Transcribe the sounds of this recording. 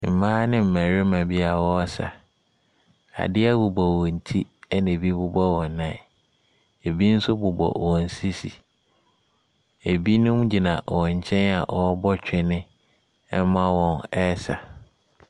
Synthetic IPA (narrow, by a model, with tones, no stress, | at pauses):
m̩˨mãː˦nɪ̃˦m̩˨mæ̃˨ɾɪ˦mã˨bi˦a˨wɔ˦ɔ˦sa̰˨ | a̰˨dɪ˦ɛ˦bʊ˨bɔ˨wɔ̃˨n̩˨tʰi˦ɛ˦nẽ˨bi˦bʊ˦bɔ˦wɔ̃˨nː˨˦ã˨ | e˨bi˦n̩˦sʊ˦bʊ˨bɔ̰˨wɔ̃˨n̩˨si˦sḭ˨ | e˨bi˦nʊ̃˦m˦d͡ʑi˨nã˨wɔ̃˨ɲ̩˨t͡ɕʰɛ̃˦na˨ʔɔ˨˦bɔ˦t͡ɕᶣɪ˦nɪ̃˦ | ɛ˦mã˦wɔ̃˨nɛ˦sa˨